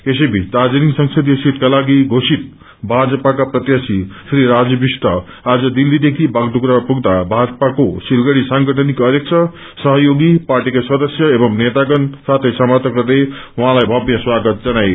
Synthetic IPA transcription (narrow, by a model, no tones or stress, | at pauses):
esʌjbʱit͡sd̪ad͡zniŋsʌŋsʌd̪ijsit̪kalaɡiɡʱosit̪̚ | bʱad͡zʌpakaprʌt̪jasisɾiɾad͡zbisʈʌ | ad͡zʌd̪ilːid̪ekʰibʱaɡd̪ukɾapuɡd̪abʱad͡zʌpakosilɡʌɽisaŋɡʌʈʰʌnikʌɾjek̚t͡sʰʌ | sʌɦʌjoɡipaɾʈikasʌd̪ʌsjʌebʌmnet̪aɡʌnsat̪ʰʌjsʌmʌrt̪ʰʌkʌrd̪ejuɦãlajbʱʌbjʌ̃swaɡʌt̪̚d͡zʌnaj